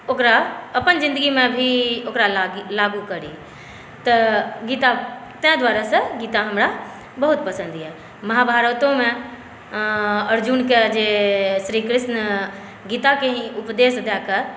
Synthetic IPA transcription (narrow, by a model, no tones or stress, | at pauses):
oːkɾaəpənd͡ʒɪ̃nd̪əɡimẽbʱioːkɾallaːɡukəɾi | t̪əɡiːt̪at̪ẽd̪waːɾasə̃ɡiːt̪ãɦəmɾa | bəɦut̪̚pəsə̃nd̪iɦɛ | məɦabʱaːɾət̪õmẽ | əɾd͡ʒunked͡ʒeʃɾiːkɾɪsnə | ɡiːt̪akeɦĩʊpd̪eːsd̪ɛke